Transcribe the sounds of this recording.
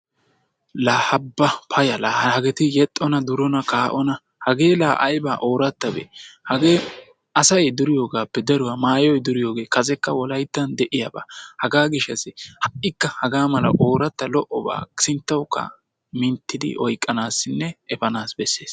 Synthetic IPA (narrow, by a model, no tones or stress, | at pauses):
laːhɐbːɐpʰɐjɐlaːhɐhɐɡɛt̪ɪjɛt̪ʼːɔnɐd̪ʊɾɔnɐkaːʔɔnɐ | hɐɡe̞ːlaːʔɐ̰jbaːʔo̞ːɾɐt̪ːɐbḛːhɐɡeː | ɐsɐjd̪ʊɾɪjo̞ːɡaːpːɛd̪ɐɾʊwɐmaːjɔjd̪ʊɾɪjo̞ːɡe̞ːkɐzɛkːɐwɔlɐjt̪ːɐnd̪ɛʔɪjaba̰ːhɐɡaːɡɪʃːɐsɪhɐʔɪkːɐhɐɡaːmɐlɐ̰ʔo̞ːɾɐt̪ːɐlɔʔɔba̰ːksɪnt̪ːɐwkːɐ̰ | mɪnt̪ːɪd̪ɪ̰ʔɔjkʼːɐnaːsːɪnːɛɛfɐnaːsbɛsːe̞ːs